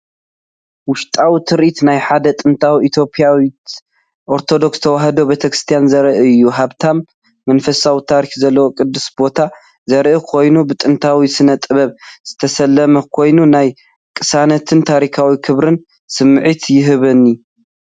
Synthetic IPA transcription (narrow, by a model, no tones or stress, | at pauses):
wʊʃt̪ʼawit̪ʰɨɾʔit̪najħad̪ɐt̪ʼɨnt̪ʰawiit̪ʰjo̞pʼjawit̪ | ʔo̞ɾt̪ʰo̞d̪o̞ksɨ̥t̪ʰɐwaɦɐd̪o̞bet̪ʰɐkɾɨ̥st̪ʰijanzɐɾʔɨɨjːuɦaβt̪ʰamː | ɐnfɐsawit̪ʰaɾikzɐlːɐwokʼɨd̪ːɨsbo̞t̪ʰa | zɐɾʔɨkʰo̞jnubɨt̪ʼɨnt̪ʰawisɨnɐt̪ʼɨβɐβz̥ɨt̪ʰɐsɐlːɐmɐkʰo̞jnunaj | kʼɨsanɐt̪ʰɨnt̪ʰaɾikʰawikʰɨβɾɨn | sɨmːɨʕit̪ʰjɪɦɨβɐnːi